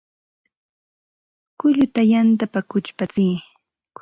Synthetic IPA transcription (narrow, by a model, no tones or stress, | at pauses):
kʊʎʊt̪ajant̪apakʊt͡ʃpat͡siː